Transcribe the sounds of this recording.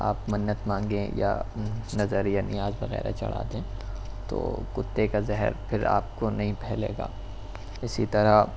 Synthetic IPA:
aːpmɐnːət̪mãːŋɡẽja̰nɐzəɾjanɪ̰jaːzbɐɣɛ̰ːɾa̰t͡ʃɐ̰ɽ̤a̰ːd̪ẽː | t̪o̰ːkʊt̪ːekazɛɦəɾpʰɪɾa̰ːp̚konɐɦĩpɛɦlḛːɡa̰ː | ɪsit̪ɐɾa

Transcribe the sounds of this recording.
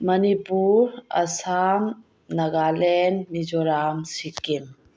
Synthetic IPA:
mɐnibuːɾɐ̰saːm | nɐɡaːlenmid͡ʒoɾaːmsikim

